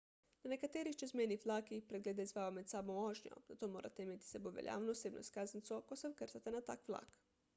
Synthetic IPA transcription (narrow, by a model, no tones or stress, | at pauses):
nanekat̪eːɾixt͡ʃɛzmɛjnixʋlaːkipɾɛɡleːd̪aizʋaːjomɛt̪saːbɔ̃oːʒnjɔ̰zat̪oːmoːɾa̰t̪ɛimet̪i̥sɛboʋɛ̰lja̰ːwnɔːseːbnʔɔ̰iskaːznt̪sɔkosɛwkəɾt̪at̪ɛnat̪a̰ːkʋla̰ːk